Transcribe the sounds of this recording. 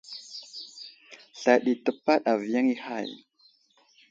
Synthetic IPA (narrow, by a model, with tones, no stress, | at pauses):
ɬa˨ɗi˨tə˨pːa˦ɗa˨vja˦ŋi˦ha̰˦˨j